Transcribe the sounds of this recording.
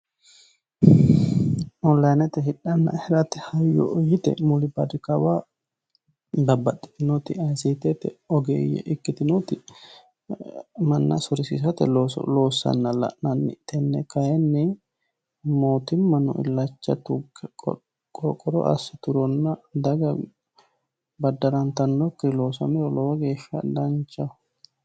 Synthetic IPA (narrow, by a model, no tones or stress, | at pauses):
ɔnlɐjnɛt̪ɛɦɪᶑːɐnːɐ̰hɛɾɐt̪ɛhɐjːɔ̰ʔɔjɪt̪ɛ̰mʊlɪbɐd̪ɪkɐwa | d̪ɐbːɐt̪ʼːɪ̥t̪ɪnɔt̪ɪɐjsit̪ɛt̪ɛɔɡɛːjɛ̰ʔɪkːɪt̪ɪnɔt̪ɪ | mɐnːɐ̰sʊɾɪsɪsɐt̪ɛlo̰lo̞ːsːɐ̰nːɐlɐ̰ʔnɐnːɪt̪ɛnːɛkɐjɛnːɪ | moːt̪ɪmːɐnɔ̰ʔɪ̰lːɐt͡ʃːɐ̰t̪ʊ̰ | kʼɔkʼːɔɾɔ̰ʔɐ̰sːɪt̪ʊɾɔnːɐd̪ɐɡɐ | bɐd̪ːɐɾɐnt̪ɐnːɔkːɪlo̞ːsɐmɪɾɔlɔwɐɡe̞ːʃːɐd̪ɐnt͡ʃːɐ